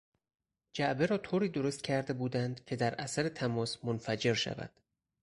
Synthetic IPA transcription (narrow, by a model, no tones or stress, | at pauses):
d͡ʒæʔbe̞ɾɒːt̪ʰoːɾiːd̪o̞ɾost̪cʰæɾd̪e̞buːd̪ænd̪cʲʰe̞d̪æɾʔæsæɾe̞t̪ʰæmɒːsmonfæd͡ʒe̞ɾʃæ̰væ̰d̪̥